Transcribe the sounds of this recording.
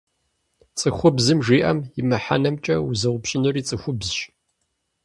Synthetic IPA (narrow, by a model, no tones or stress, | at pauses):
t͡sʼɨxʷʊbzɨmʒiːʔɐmjɪmɨħa̰nɐmt͡ʃʼɐwzɐwʷʊpɕʼɪnɨriːt͡sʼɨxʷʊbzʃ